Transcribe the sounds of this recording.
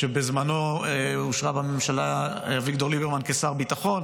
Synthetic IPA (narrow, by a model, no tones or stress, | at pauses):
ʃebezmanoeuʃʁabamemʃala | vikto̞ʁlibeʁmankesaʁbitaχo̞n